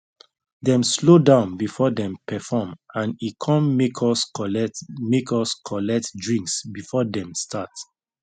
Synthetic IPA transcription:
dɛ̃mslodãʊ̃nbifɔdɛ̃mpʰɛfɔmãnikʰɔ̃nmekʰɔs | mekɔskʰɔlɛk̚tdɹĩŋksbifɔdɛ̃mstʰat

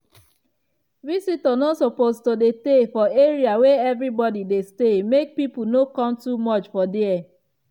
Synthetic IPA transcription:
visitɔnosopostodetefɔeɹiaweɛvɾibɔdidestemek̚pipunokɔ̃mtumɔt͡ʃfɔdiɛ

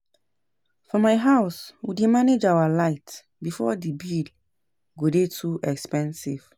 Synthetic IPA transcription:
fɔmaɪɦaʊswidemaned͡ʒawalaɪt | bifɔdibil | ɡodetʰuʔɛkspɛ̃nsiv̥

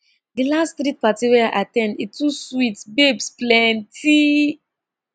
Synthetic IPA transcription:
dilastθɾit̚patiwɛaʔa̰tɛ̃nditʰuswitbebsplɛntʰi

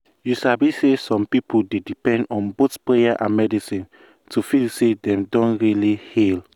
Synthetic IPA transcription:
jusabisesɔ̃mpipuldedipɛ̃ndɔ̃nbotpɹejaʔã̰nmɛdisĩn | tʰufilsedɛ̃mdɔ̃nɹilihil

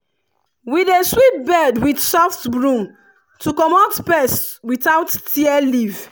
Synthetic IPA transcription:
wideswit̚bɛdwidsɔftbɹũm | tʰukɔmɔtpɛstwitawtːiɛliv

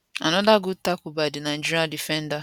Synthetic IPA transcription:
a̰nɔdaɡʊtakʷʊbadɪnan̩d͡ʒiɾadifen̩da

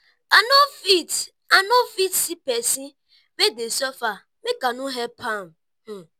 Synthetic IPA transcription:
anofit | anofitsipɛsi | bedesɔfa | mekanuɦɛpʰam̩ | m̩

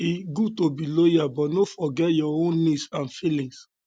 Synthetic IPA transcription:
iɡutobilojabɔnofɔɡɛtjɔõnːisãnfilĩŋs

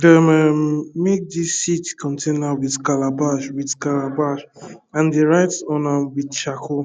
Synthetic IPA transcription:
dəmɛmek̚disitkʰɔ̃ntʰẽnawidkalabaʃwidkalabaʃãndeɹaɪtsɔ̃nãwidt͡ʃakʰo

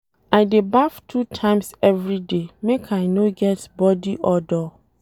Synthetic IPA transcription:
aɪdebaftʰutʰãɪ̃msɛvɹidemekʰajnoɡɛtbɔdiʔɔdɔ

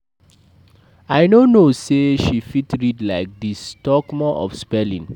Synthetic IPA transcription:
aɪnonoseʃifitɹidlaɪk̚distɔkmɔʔɔ̰fspɛlḭ̃n

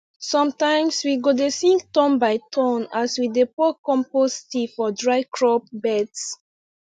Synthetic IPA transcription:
sɔ̃mtãɪ̃mswiɡodesĩŋktɔ̃mbaɪtʰɔ̃naswidepɔkɔ̃mpɔstifɔdɹaɪkʰɹɔp̚bɛts

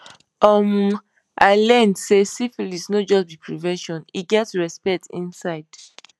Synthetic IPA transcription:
ɔm̩ | alɛ̃ndsesifilisnod͡ʒɔsbipɹivɛ̃nʃɔ̃niɡɛtɹɛspɛk̚tḭ̃nsaɪd̥

